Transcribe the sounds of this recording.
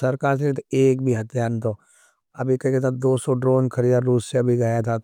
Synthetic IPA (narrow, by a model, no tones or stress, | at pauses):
sɐɾkaːɾs̬et̪eːk̚bʱiɦɐt̪ʰjaːɾnt̪ʰoː | ɐbʱikɐket̪ʰad̪oːsoɖɾoːnkʰəɾijaɾuːsseɐbʱiɡɐjat̪ʰa